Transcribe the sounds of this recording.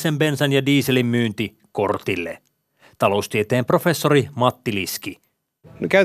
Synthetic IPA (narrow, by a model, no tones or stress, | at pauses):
sembe̞nsænjɑdiːselimːyːnt̪i | ko̞rt̪ilːḛ | t̪ɑlo̞ust̪iet̪eːmpro̞fe̞sːo̞ɾimɑt̪ːiliski | nykæ